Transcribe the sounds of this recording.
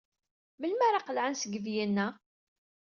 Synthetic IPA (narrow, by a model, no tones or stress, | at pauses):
məlmæɾˤɑqəlʕansəɡəvjinːæ